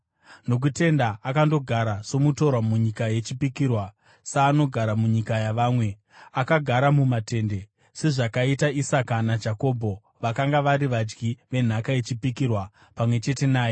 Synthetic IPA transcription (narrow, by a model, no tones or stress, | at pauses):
no̞k̬ute̞ndaʔːkando̞ɡʱaɾaso̞muto̞rwamuɲikaje̞t͡ʃipikirwa | saːno̞ɡʱaɾamuɲikajaʋaːmwe̞ | akaɡʱaɾamumate̞nde̞ | se̞ʐakaitaisakanad͡ʒako̞ːbʱo̞ | ʋakaŋɡaʋaɾiʋad͡ʒɡiʋe̞n̤akaet͡ʃipikirwa | pamwe̞t͡ʃe̞te̞naːjo